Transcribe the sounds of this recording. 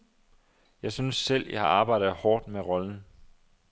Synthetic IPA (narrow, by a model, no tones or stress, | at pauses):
jɑ̈ɪsynsːel̰jɑ̰hɑ̈ɑ̈ːb̥ɑ̈ɪ̰d̥ð̩ˠhɒːd̥meʁɒ̽ln̩